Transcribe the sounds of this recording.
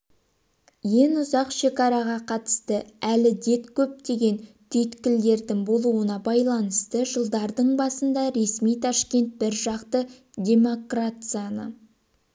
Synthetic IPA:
je̞nʊzɑqʃe̞kɑɾɑʁɑqʰɑt̪ə̥st̪əælɪd̪e̞t̪kʲʰɵp̚t̪e̞ɡʲe̞nt̪ʰʏjt̪kʲɪld̪e̞ɾd̪ɪŋbo̞lˠuənɑbɑjlˠɑnəst̪əʒəlˠd̪ɑɾd̪əɴbɑsənd̪ɑɾe̞smijt̪ʰɑʃkʲe̞nt̪̚bɪɾʒɑqt̪ə | d̪ʲe̞mo̞krat̪sɨjanə̰

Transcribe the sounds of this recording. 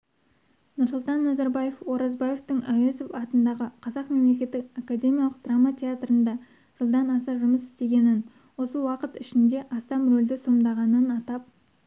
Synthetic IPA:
nʊɾsʊlˠt̪ɑnːɑzaɾbaje̞fo̞ɾɑzbaje̞ft̪əŋæwesofɑt̪ənd̪ɑʁəqʰɑzɑqme̞mle̞kʲe̞t̪ːɪkakad̪ʲe̞mʲijɑlˠəq̚d̪̥ramat̪ʲʰe̞at̪rənd̪ɑ | ʒ̥əlˠd̪ɑnɑsɑʒʊməsɪ̥st̪e̞ɡʲe̞nɪn | wo̞səwɑqət̪ɪʃɪnd̪e̞ʔɑst̪ɑmrold̪ɪso̞md̪ɑʁɑnənɑt̪ɑp̚

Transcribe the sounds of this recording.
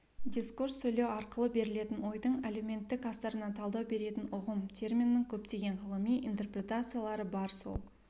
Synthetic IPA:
d̪ʲiskursːɵjlewɑɾqəlˠəbe̞ɾɪle̞t̪ɪnwo̞jd̪əɴaleme̞nt̪ːɪkɑst̪ɑɾənɑt̪ʰɑlˠd̪ɑwbe̞ɾe̞t̪ɪnʊʁəmt̪ʰʲe̞rmʲinːɪŋkʲʰɵpt̪e̞ɡʲe̞ɴʁəlˠəmijʔint̪erprʲe̞t̪at̪sɨjalˠɑɾəbɑɾso̰lˠ

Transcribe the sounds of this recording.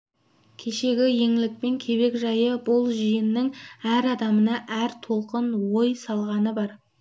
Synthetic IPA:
kʲʰe̞ʃe̞ɡʲɪje̞ŋɪlɪk̚pe̞ŋkʲʰe̞βe̞kʒɑjəbʊlˠʒijɪnːɪŋæɾɑd̪ɑmənɑʔæɾt̪ʰo̞lˠqənwojsɑlˠʁɑnəbɑɾ

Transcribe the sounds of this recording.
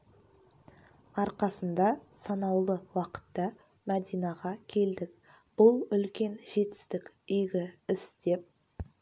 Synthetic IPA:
ɑɾqɑsənd̪ɑsɑnɑwlˠəwɑqə̥t̪ːɑ | mæd̪ijnɑʁɑkʲʰe̞ld̪ɪk̚ | b̥ʊlˠʏlkʲe̞nʒe̞t̪ɪ̥st̪ɪkʲ | ʏjɡʲɪɪsd̪̥e̞p̚

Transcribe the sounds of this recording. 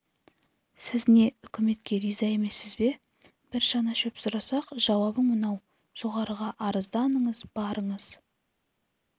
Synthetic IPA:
sɪzne̞ʏkʲɪme̞t̪kʲe̞ɾizɑe̞me̞sɪzbe̞ | b̥ɪɾʒɑnɑʃʏpsʊɾɑsɑqʒ̥ɑwɑbəɴmənɑw | ʒ̥o̞ʁɑɾəʁɑʔɑɾəzd̪ɑnəɴəzbɑɾəɴəz̥

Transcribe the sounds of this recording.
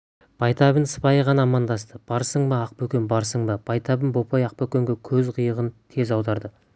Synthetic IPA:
b̥ɑjt̪ɑbənsə̥pɑjəʁɑnɑːmɑnd̪ɑs̬t̪əb̥ɑɾsəɴmɑːq̚pɵkʲenbɑɾsəɴbɑb̥ɑjt̪ɑbənbo̞pojɑq̚pɵkʲeŋɡʲekʲʰɵzqʰəjəʁənt̪ʰe̞zɑwd̪ɑɾd̪ə

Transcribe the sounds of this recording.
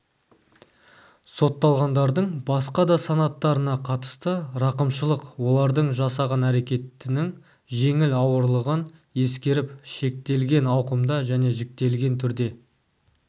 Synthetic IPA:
so̞t̪ːɑlˠʁɑnd̪ɑɾd̪əɴbɑsqɑd̪ɑsɑnɑt̪ːɑɾənɑqʰɑt̪ə̥st̪əɾɑqəmʃəlˠəqwo̞lˠɑɾd̪əɴʒɑsɑʁɑnæɾe̞kʲe̞t̪ːɪnɪŋ | ʒe̞ŋɪlɑwəɾlˠəʁəne̞skʲe̞ɾɪpʃe̞k̚t̪e̞lɡʲe̞nɑwqəmd̪ɑʒæne̞ʒɪk̚t̪e̞lɡʲe̞nt̪ʰʏɾd̪e̞

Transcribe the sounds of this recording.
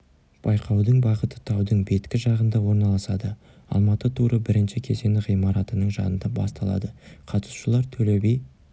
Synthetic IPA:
b̥ɑjqʰɑwd̪əɴbɑʁət̪ə̥t̪ʰɑwd̪əɴbe̞t̪kʲɪʒɑʁənd̪ɑwo̞ɾnɑlˠɑsɑd̪ə | ɑ̰lˠmɑt̪ət̪ʰuɾəbɪɾɪnʃɪkʲʰe̞se̞nɪqʁijmɑɾɑt̪ənəɴʒɑ̰nənd̪ɑbɑ̰st̪ɑlˠɑ̰d̪əqʰɑt̪ə̥sʃəlˠɑɾt̪ʰɵlebej

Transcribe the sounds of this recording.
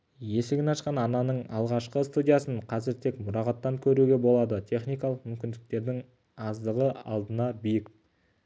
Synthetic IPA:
je̞sɪɡʲɪnɑʃqɑnɑnɑnəɴɑlˠʁɑʃqəst̪udʲijasəɴqʰɑzɪɾt̪ʰe̞kmʊɾɑʁɑt̪ːɑŋkʲʰɵɾuɡʲe̞bo̞lˠɑd̪ət̪ʲʰe̞χnijkɑlˠəqmʏmkʲɪnd̪ɪk̚t̪e̞ɾd̪ɪŋ | ɑzd̪əʁəɑ̰lˠd̪ənɑbijɪk

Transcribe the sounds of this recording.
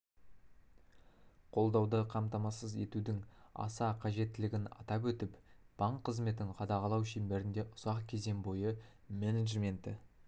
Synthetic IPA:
qʰo̞lˠd̪ɑwd̪əqʰɑmt̪ɑmɑsəze̞t̪ud̪ɪŋɑ̰sɑqʰɑʒe̞t̪ːɪlɪɡʲɪnɑ̰t̪ɑp̬wɵt̪ɪpb̥ɑɴqʰːəzme̞t̪̬ɪŋqʰɑd̪ɑʁɑlˠɑwʃembe̞ɾɪnd̪e̞ʔʊz̥ɑqkʲʰe̞ze̞ŋbo̞jə | meneʒmʲe̞nt̪ɪ̰

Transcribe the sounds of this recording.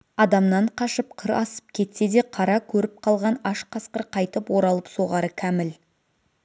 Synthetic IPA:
ɑd̪ɑmnɑɴqʰɑʃəp̚qʰəɾɑsə̥p̚kʲʰe̞t̪se̞d̪e̞qʰɑɾɑkʲʰɵɾɪp̚qʰɑlˠʁɑnɑʃqʰɑsqəɾqʰɑjt̪əpwo̞ɾɑlˠəpso̞ʁɑɾəkʲʰæmɪl

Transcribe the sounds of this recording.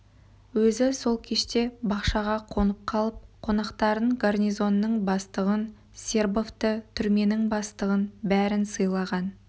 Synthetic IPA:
wɵzɪso̞lˠkʲʰe̞ʃt̪e̞bɑqʃɑʁɑqʰo̞nəp̚qʰɑlˠəp̚qʰo̞nɑqt̪ɑɾəɴɡarnʲijzo̞nːəɴbɑst̪əʁən | sʲe̞rbo̞ft̪ət̪ʰʏɾme̞nɪŋbɑst̪əʁənbæɾɪnsəjlˠɑʁɑn

